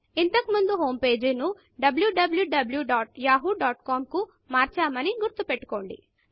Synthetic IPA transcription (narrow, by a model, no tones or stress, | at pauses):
int̪ɐkimund̪uɦoːmpe̞ːd͡ʒinu | ɖɐbljuɖɐbljuɖɐbljuɖaːʈjaːɦuɖaːʈkaːmku | maːɾt͡ʃaːmɐniɡuɾt̪upeʈːu̥ko̞ːɳɖḭ